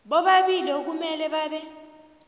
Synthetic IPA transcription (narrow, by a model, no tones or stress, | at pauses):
ɓɔɓaɓiliok̬umɛlɛɓaːɓɛ